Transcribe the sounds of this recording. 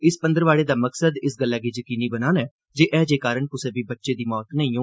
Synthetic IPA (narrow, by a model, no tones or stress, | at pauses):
ɪspənd̪əɾʋaːɽeːd̪aːməksəd̪ɪsɡəlːɛːɡiːd͡ʒəkiːniːbənaːnɛː | d͡ʒeːʔɛːd͡ʒeːkaːɾəɳkʊsẽːbiːbətːʃeːd̪iːmɔːt̪nəĩːõː